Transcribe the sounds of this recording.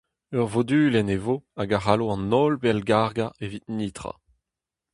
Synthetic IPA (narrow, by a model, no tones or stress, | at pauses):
œʁvod̪yːlɛnevoaɡaʁaloɑ̃nɔlbɛlɡaʁɡaevit̪̚niːt̪ʁa̰